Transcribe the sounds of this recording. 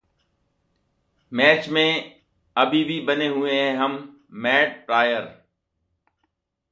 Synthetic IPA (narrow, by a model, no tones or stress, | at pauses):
meːt͡ʃmẽː | əbʱiːbʱiːbəneːɦʊẽːɦẽːɦəmː | eːɖ̚pɾaːjəɾ